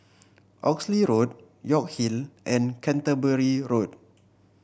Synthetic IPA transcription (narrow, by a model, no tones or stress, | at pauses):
ʔɔksliɹot̚ | jɔk̚hilʔɛ̃nkʰɛ̃ntəbəɹiɹot̚